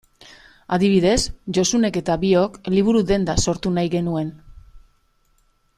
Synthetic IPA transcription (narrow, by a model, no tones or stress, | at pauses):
aðiβ̞iðe̞sʝo̞sune̞ke̞t̪aβio̞kliβ̞uɾuðe̞nd̪aso̞ɾt̪unajɣe̞nue̞n